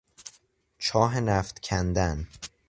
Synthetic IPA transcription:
t͡ʃʰɒːɦenæːft̪cʰænd̪æn

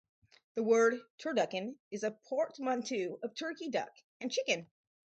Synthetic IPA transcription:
ðəwɜ˞d̚tʰəɹdʌkɨ̃nɨzɨpʰɔɹt̚mɑ̃ntʰʉʌv̥tʰɜ˞kidʌ̰k | ɨ̃nt͡ʃʰɪkɨ̃n

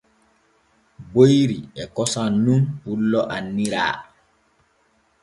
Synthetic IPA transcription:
bojɾiɛkɔsanːunhulːɔʔanːiɾa̰ː

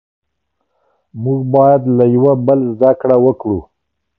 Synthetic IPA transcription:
muɡbɑjad̪lajawabəlzd̪akɽawəkɽṵ

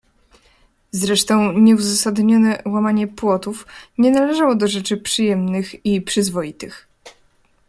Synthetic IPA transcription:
zɾɛʂt̪ɔ̃w̃ɲɛuzasad̪ɲɔnɛwamaɲɛpwɔt̪ufɲɛnalɛʐawɔd̪ɔʐɛt͡ʂɘpʂɘjɛmnɘxipʂɘzvɔjit̪ɘx

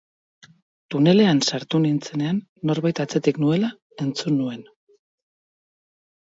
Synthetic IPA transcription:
t̪une̞le̞ansaɾt̪unint͡se̞ne̞anːo̞ɾβajt̪at͡se̞t̪iknue̞la | e̞nt͡sunːue̞n

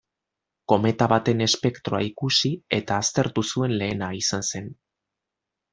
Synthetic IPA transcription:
ko̞me̞t̪aβat̪e̞ne̞spe̞kt̪ɾo̞a̰ikusie̞t̪aːst̪e̞ɾt̪usue̞nle̞ːnaisanse̞n

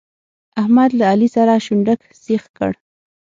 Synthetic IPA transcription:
ahmad̪laːlisaɾaʃʊɳɖək | sexkə̰ɽ

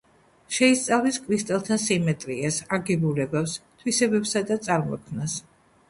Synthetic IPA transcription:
ʃɛist̪sʼavliskʰʼɾist̪ʼɛlˠt̪ʰasimɛt̪ʼɾiasaɡɛbulɛbapst̪ʰwisɛbɛbsad̪at̪sʼaɾmɔ̰kʰmnas

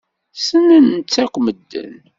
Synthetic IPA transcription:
sənənt͡sːækʷməd̪ːə̰n

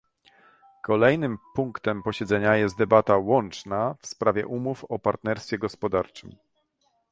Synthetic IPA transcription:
kɔlɛjnɘmpuŋkt̪ɛmpɔɕɛd̪zɛɲajɛst̪d̪ɛbat̪awɔnt͡ʂnafspɾavʲɛ̰ʔumufɔpaɾt̪nɛɾst̪fʲjɛɡɔspɔd̪aɾt͡ʂɘm

